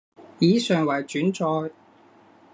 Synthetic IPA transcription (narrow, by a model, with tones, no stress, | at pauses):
jiː˨˥sœː˨ŋwɐ˨˩jt͡ʃyː˨˥nt͡sɔː˧j